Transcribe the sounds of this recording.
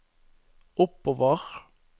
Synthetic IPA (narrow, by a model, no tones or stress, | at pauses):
ʊpoːʋəʁ